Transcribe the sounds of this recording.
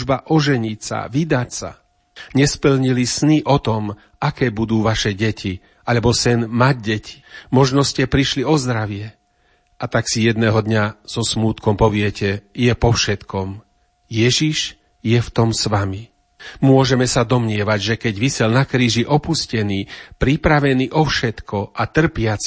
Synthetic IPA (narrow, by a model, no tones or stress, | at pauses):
ʒbaʔɔʒɛɲicsa̰ʋid̪acsa̰ | ɲɛspl̩ɲilisniʔɔt̪ɔm | akɛːbud̪uːʋaʃɛɟɛcʰi | ʔaʎɛbɔsɛnmaɟɟɛcʰi̥mɔʒnɔscɛpɾiʃliɔzd̪ɾaʋɪɛ | at̪aksijɛd̪nɛːɦɔd̪ɲaz̥ɔsmuːt̪kɔmpɔʋɪɛcɛjɛpɔfʃɛt̪kɔm | jɛʒiʒ | jɛft̪ɔmsʋami | mʊɔʒɛmɛsad̪ɔmɲɪɛʋaɟʒɛkɛɟʋisɛlnakɾiːʒiʔɔpuscɛniːpɾipɾaʋɛniʔɔfʃɛt̪kɔʔat̪r̩pɪat͡s